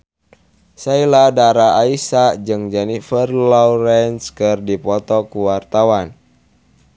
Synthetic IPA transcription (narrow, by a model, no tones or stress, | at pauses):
sailadaɾaːisad͡ʒɨŋd͡ʒanifərlɔɾɛnskɨrdipɔt̪ɔkuwart̪awan